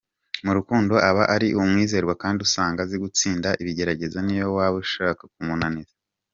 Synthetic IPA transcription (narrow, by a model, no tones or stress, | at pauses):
muɾukuːndo̞ʔaβaʔaɾiʔumŋiːze̞ːɾɡwakaːndiusaːŋɡaziɡut͡siːndaʔiβiɟe̞ɾaɟe̞zanijowaβuʃakak̚umunaniza